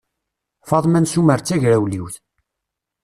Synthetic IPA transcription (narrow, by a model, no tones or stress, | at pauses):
fɑðˤmænsuməɾt͡sːæʝɾæwliwθ